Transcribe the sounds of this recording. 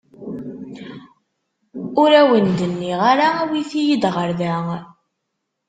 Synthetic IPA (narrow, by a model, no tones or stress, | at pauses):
ʊɾæwənd̪ənːiʁaɾaæwiθijəd̪ʁəɾðæ